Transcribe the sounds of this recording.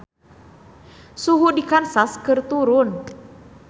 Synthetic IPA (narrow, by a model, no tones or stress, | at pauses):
suɦudikansaskɨrt̪uɾʊn